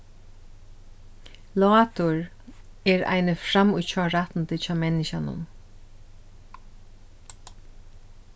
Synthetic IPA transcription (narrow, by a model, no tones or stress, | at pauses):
lɔat̪ʊɹ | ɛɹa̰jnɪfɾamʊjt͡ʃʰɔːɹat̪nt̪ɪt͡ʃʰɑːmɛnɪʃanʊ̰n